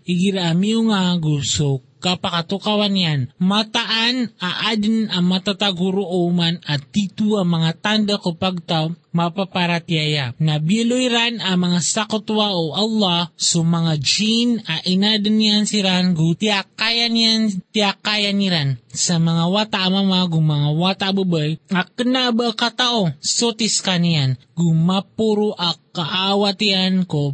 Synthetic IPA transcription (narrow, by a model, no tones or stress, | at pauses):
iɡiɾaʔamiʊŋaɡusokapakat̪ukawanjanmat̪aʔanaʔad̪namat̪at̪aɡuɾoʔomanat̪ːit̪uamɐŋat̪and̪akopaɡ̚t̪amapapaɾat̪iajanabilojɾanamɐŋasakʊt̪waʔoʔalːɑsomɐŋad͡ʒinaʔɪnad̪anijansiɾanɡʊt̪iakajanant̪ɪakajaniɾansamɐŋawat̪aʔamamaɡʊŋmɐŋawaːt̪aʔbəbəjaknaʔbəakat̪aʔosot̪ɪskanijan | ɡʊmapuɾoʔakaʔawat̪ianko